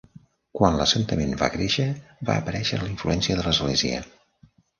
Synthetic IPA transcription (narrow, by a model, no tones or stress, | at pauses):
kwanləsənt̪əmenba̰kɾeʃəβa̰əpəɾɛʃəliɱfluɛnsiəðələzɣleziə̰